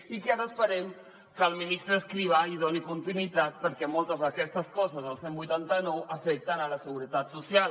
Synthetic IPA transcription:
ikeaɾəspəɾɛm | kəlˠminist̪ɾəːskɾiβ̞aiðonikunt̪inwit̪at̪̚pəɾkɛmɔlˠt̪əzðəkɛst̪əskɔzəzðəlˠsembujt̪ant̪ənɔwʔəfɛk̚t̪ənələsəɣuɾət̪at̪susjal

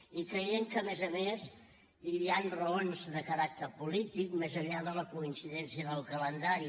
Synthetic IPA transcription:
ikɾəiəŋkəmezəmez | iianrəonzðəkəɾak̚t̪əɾpulit̪ikmezəβiaðələkuinsiðɛnsiəðəlˠkələnd̪aɾi

